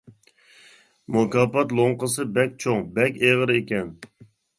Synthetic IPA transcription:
mokɑːpɑt̪lˠoŋqəsɨbɛk̚ʲt͡ʃʰoŋbɛkʲeʁəɾekʲɛn

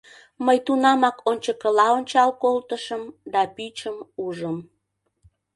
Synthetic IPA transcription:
məjt̪unɑmɑkonʲt͡ɕəkəlɑonʲt͡ɕɑlkolt̪əʃəmd̪ɑpyt͡ɕəmuʒəm

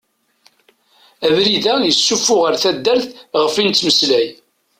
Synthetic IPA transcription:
ævɾiðæjəsːufʊʁəɾθæd̪ːæɾθʁəfint̪ːməslæj

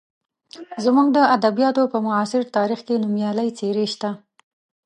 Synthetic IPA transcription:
zmuɡd̪əad̪abijɑt̪opəmʊɑsɪɾt̪ɑɾixkenumjɑləjt͡seɾeʃt̪a

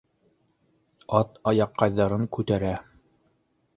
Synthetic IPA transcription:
ɑt̪ɑjɑqːɑjðɑɾɤŋkʉt̪æɾæ

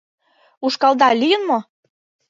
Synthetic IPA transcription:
uʃkɑld̪ɑlijənmo

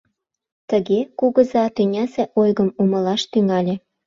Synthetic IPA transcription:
t̪əɣekuɣə̆zɑt̪ynʲæseʔojɣəmumɤ̆lɑʃt̪yŋɑlʲĕ

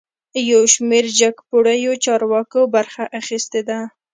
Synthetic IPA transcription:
jawʃmeɾd͡ʒaɡpoɽəjot͡ʃɑɾwɑkobaɾxaʔaxist̪ed̪a

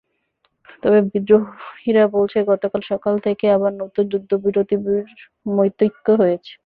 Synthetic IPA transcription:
t̪ɔbebid̪ɾohiɾabolt͡ɕʰeɡɔt̪okalʃɔkalt̪ʰekeabaɾnot̪od͡ʑud̪ʱːobiɾot̪ibiɾ | mojt̪ːit̪ːoɦojet͡ɕʰe̥

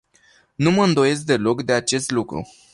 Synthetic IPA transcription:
numəɨnd̪o̞je̞s̬k̚d̪e̞lo̞kd̪e̞at͡ʃe̞st̪lukɾṵ

